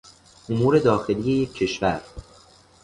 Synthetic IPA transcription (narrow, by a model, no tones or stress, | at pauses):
ʔomuːɾe̞d̪ɒːxe̞liːje̞jekʰːe̞ʃvæɾ